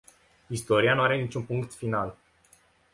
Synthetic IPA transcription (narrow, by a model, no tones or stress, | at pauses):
ist̪o̞ɾianuaɾe̞nit͡ʃʲunpuŋkt̪final